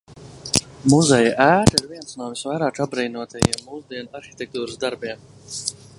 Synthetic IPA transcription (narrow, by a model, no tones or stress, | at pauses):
muzɛjaʔæːɾiɾviəntsnuɔvisʋajɾaːʈ͡ʂabɾijnuɔt̪ʰajḭmːuzd̪iɛnaɾxi̥t̪ek̚t̪uːɾɨsd̪aɾbiːm